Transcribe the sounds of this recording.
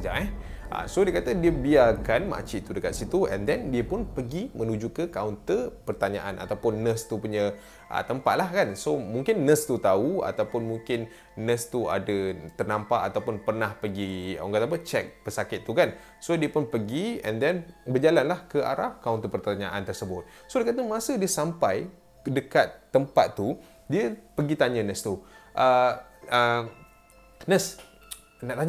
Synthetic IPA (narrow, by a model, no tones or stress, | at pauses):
d͡ʒaʔɛʔə̰sodiəkat̪ədiəbiarkanma̰ʔt͡ʃit̪udəkat̪̚sit̪uʔɛ̰ndɛndiəpʊnpəɡimənud͡ʒukəkawnt̪əpərt̪aɲa̰ʔa̰nʔa̰t̪awpʊnːə̃st̪upuɲə | ʔə̰t̪əmpa̰t̪̚lahkansomuŋkɪnːə̃st̪ut̪aua̰t̪awpʊnmuŋkɪnː | ə̃st̪ua̰dət̪ərnampaʔat̪awpʊnpərnahpəɡio̰ŋɡat̪ap̬ət͡ʃɛk̚pəsakɪt̪ːukan | sodiəpʊnpəɡiɛ̰ndɛnbəd͡ʒalanlahkəʔa̰ɾahkawnt̪əpərt̪aɲaʔant̪ərsəbʊt̪̚ | sodakat̪əmasədiəsampaj | dəkat̪ːəmpa̰t̪ːu | diəpəɡit̪aɲãnə̃st̪uʔəə | nə̃s | naʔt̪aɲ